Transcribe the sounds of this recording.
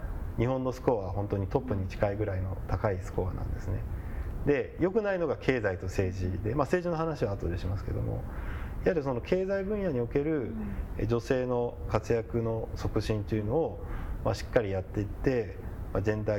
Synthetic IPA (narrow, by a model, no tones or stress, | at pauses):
ɲ̟ihõ̞nːo̞sɨ̥ko̞aβaɦõ̞nt̪o̞ɲ̟it̪o̞pːɯ̟ɲ̟it͡ɕi̥kaiɡɯ̟ɾaino̞̰t̪akaisɨ̥ko̞βa̰nã̰nd̪e̞sɨne̞d̪e̞jo̞kɯ̟naino̞ɡakʰe̞ːzait̪o̞se̞ːʑid̪e̞mase̞ːʑino̞ɦanaɕiβaːt̪ːod̪eɕimasɨ̥ke̞̰d̪o̞̰mo̞̰ihaɾʲis̬o̞no̞kʰe̞ːzaibɯ̟̃ɰ̃jaɲ̟io̞ke̞ɾɯ̟d͡ʑo̞se̞ːno̞kat͡sɨjakɯ̟no̞so̞kɯ̟ɕĩnt̪ojɯ̟no̞ːmaɕi̥kːaɾʲijat̪ːe̞it̪ːe̞ | mazẽ̞nd̪a